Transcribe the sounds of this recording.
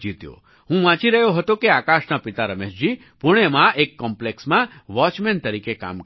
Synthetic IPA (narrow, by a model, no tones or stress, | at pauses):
d͡ʒit̪jo̰ | ɦũʋãt͡ʃiɾəɦjoɦət̪okeakaʃnapit̪aɾəmeʃd͡ʒi | pʊɽ̃emãʔekːɔmpleksmãʋɔt͡ʃment̪əɾikeka̰m